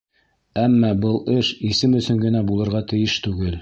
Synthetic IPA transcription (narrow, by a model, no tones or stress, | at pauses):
æmːɑbɤlˠɘʃisɘmɵ̆sɵŋɡɘ̆næbulˠɤ̆ɾʁɑt̪ɘ̆jɘʃt̪ʉɡɘl